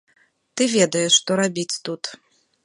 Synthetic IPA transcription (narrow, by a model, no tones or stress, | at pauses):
t̪ɨvʲɛd̪ɐjɛʂːt̪ɔɾabʲit͡sʲt̪ut̪